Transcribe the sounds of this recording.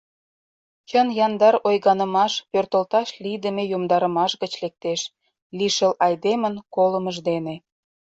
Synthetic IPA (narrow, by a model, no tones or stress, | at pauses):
t͡ɕənjɑnd̪ɑɾojɣɑnə̆mɑʃpørt̪əlt̪ɑʃlid̪əmejomd̪ɑɾə̆mɑʃɣət͡ɕlek̚t̪eʃ | liʃəlʔɑjd̪emənkoləməʒd̪ene